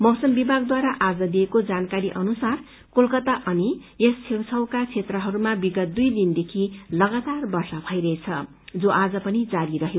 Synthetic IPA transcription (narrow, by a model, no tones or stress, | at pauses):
mʌwsʌmbibʱaɡd̪waɾaʔad͡zʌd̪iekod͡zankaɾiʔʌnusar | kolkʌt̪aʔʌnijessʰewt͡sʰʌwkakt͡sʰet̪rʌɦʌɾumabiɡʌt̪̚d̪ujd̪ind̪ekʰilʌɡat̪arbʌrsʌbʱʌjɾʌet͡sʰʌ | d͡zoʔad͡zʌpʌnid͡zaɾiɾʌɦeo